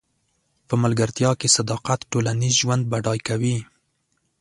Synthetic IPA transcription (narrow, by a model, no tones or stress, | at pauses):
pəmalɡaɾt̪jɑkesad̪ɑqat̪ʈolanizʒwand̪̚baɖɑjkawi